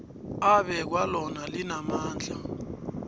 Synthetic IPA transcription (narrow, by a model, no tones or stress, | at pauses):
aɓɛk̬walɔnalinamaːnd͡ɮʱa